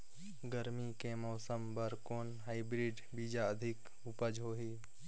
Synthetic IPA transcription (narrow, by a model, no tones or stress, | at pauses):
ɡəɾmikemɔːsəmbəɾkoːnɦaːibɾiːɖ | biːd͡ʒaəd̪ʱɪk | ʊpəd͡ʒɦoːɦiː